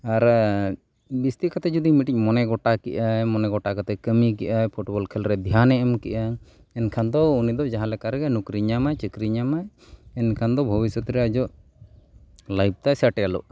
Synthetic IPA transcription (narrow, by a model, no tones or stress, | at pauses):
aɾ | bist̪ikat̪ɛd͡ʒud̪imiʈic̚ˀmɔnɛɡɔʈakiʔajmɔnɛɡɔʈakat̪ɛkəmikiʔajpʰuʈbɔlkʰɛlɾɛd̪ʱijanɛɛmkiʔa | ɛnkʰand̪ɔunid̪ɔd͡ʒaɦãlɛkaɾɛɡɛnukɾiɲamajt͡ʃəkɾiɲamaj | ɛnkʰand̪ɔbʱɔbisɔt̪ɾɛad͡ʒɔʔ | lajb̚t̪ajsəʈɛalṵʔ